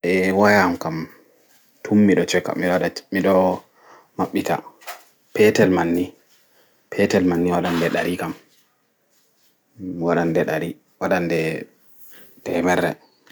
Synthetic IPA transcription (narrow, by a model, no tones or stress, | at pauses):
ʔɛwajamkam | tʰumːiɗɔt͡ʃɔkːa̰mːiɗɔaɗamiɗɔ | maɓːita̰ | pɛtɛlmanːi | pʰɛtɛlmanːiwaɗandɛɗaɾʔikam | waɗandɛɗaɾi | waɗandɛ | tɛmɛrːɛ̰